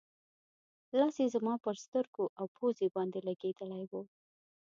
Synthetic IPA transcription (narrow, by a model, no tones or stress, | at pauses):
lɑsezamɑpəɾst̪əɾɡoʔawpʰozebɑnd̪elaɡed̪əlajwo